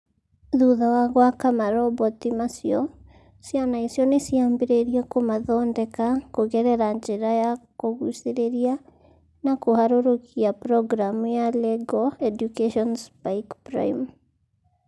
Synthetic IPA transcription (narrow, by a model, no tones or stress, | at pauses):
ðuðawaɣwakamaɾɔbɔtimasiɔ | sianaisiɔnesiambeɾeɾiakomaðɔndɛkakoɣɛɾɛɾaɲd͡ʒeɾajakoɣuseɾeɾia | nakohaɾoɾokiapɾɔɡɾamujalɛɡɔɛdukeʃɔnspaikpɾa̰im